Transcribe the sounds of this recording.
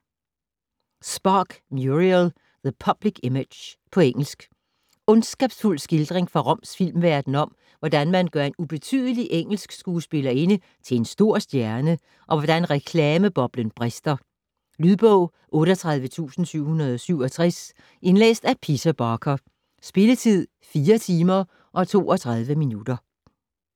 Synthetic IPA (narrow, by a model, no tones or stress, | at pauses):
sb̥ɑːɡ̥mjuʁil | ðəpʰɒb̥liɡ̥emed̥jpʰɒ̽eŋ̰l̩sɡ̥ | ɔ̽nsɡ̥ɛb̥sful̰sɡ̥eld̥ʁeŋfʁɑ̈ʁɒ̽msfil̰mʋæɐd̥n̩ɒ̽m̰ | ʋɒd̥ænmænɡ̥ɶɐe̝nub̥e̝t͡sʰy̰ð̞ˠəliʔeŋ̰l̩sɡ̥sɡ̥uːsb̥e̝lɐe̝nə | t͡sʰe̝e̝nsd̥o̝ɐ̰sd̥jæɐnə | ʔɒ̽ʋɒd̥ænʁɛkʰlɛːməb̥ɒ̽b̥lənb̥ʁɛsd̥ɐ | lyðˠb̥ɔʊ̰ | ʔɔ̽ːɾɒt͡sʰʁɑ̈ð̞ˠʋət͡sʰṵːsn̩syʊ̰hunɐð̞ˠɒ̽syʊɒ̽t͡sʰʁɛs | ʔe̝nlḛːsd̥æpʰisæb̥ɑːkʰɐ | sb̥e̝lət͡sʰið̞̰ˠ | fiːɐt͡sʰiːmɐ | ʔɒ̽t͡sʰo̝̰ːɒ̽t͡sʰʁɑ̈ðˠʋəminud̥ɐ